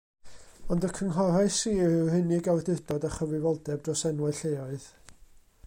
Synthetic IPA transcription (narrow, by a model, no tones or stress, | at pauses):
ɔndəkʰəŋɦɔɾaɨsiːhɪnɪɡawdɪd̥ɔdaχəvɨvɔlˠdɛb̚drɔsɛnwɛɬejɔɨð